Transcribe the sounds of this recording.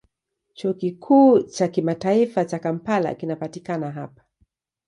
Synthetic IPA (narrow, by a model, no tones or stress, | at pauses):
t͡ʃuɔkikʰuːt͡ʃakimataifat͡ʃakam̩pala̰kinapatikanaɦapḁ